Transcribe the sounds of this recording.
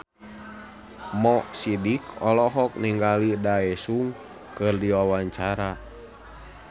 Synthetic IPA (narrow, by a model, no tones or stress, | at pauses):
mɔʔsidikɔlɔɦɔk̚niŋɡalidaɛsuŋ | kʰɨrdiwawaɲt͡ʃaɾa